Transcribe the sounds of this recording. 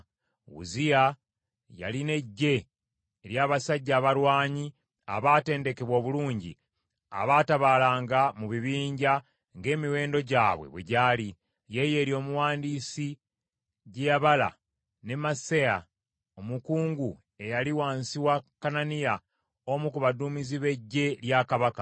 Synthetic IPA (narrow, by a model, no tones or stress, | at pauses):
wṵzija | ja̰line̞ɟːe̞ː | ɾjaːβasaɟːaːβaɾwaːɲi | a̰βaːte̞ːnde̞ke̞βwo̞ːβuluːɲɟḭ | a̰βaːtaβaːlaːŋɡamuβiβiːɲɟa | ŋɡe̞ːmiwe̞ːndo̞ɟaːβwe̞̰βwḛɟaːli | je̞je̞ːɾjo̞ːmuwaːndiːsi | ɟeaβala̰ | ne̞maseja | o̞mukuːŋɡu | e̞jaliwaːnsiwakananija | omukuβaduːmiziβe̞ɟːe̞ljaːkaβaka